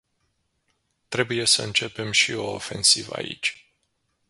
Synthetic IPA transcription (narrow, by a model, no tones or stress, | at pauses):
t̪ɾe̞buje̞səɨnt͡ʃe̞pe̞mʃio̞ːfe̞nsiva̰ḭt͡ʃʲ